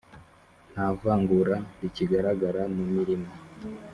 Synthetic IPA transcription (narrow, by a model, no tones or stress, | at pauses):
n̥havaːŋɡuɾaiciɡaɾaɡaɾamumiɾimo